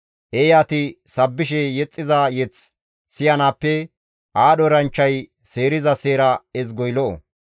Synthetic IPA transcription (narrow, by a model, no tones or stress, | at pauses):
ʔejaːt̪ɪsɐbːɪʃɛjɛt͡sʼːɪzajɛt͡s | sɪjɐnaːpːɛ | ʔaːɗɔɾɐnt͡ʃːɐj | seːɾɪzɐse̞ːɾɐɛz̬ɡɔjlɔʔɔ̰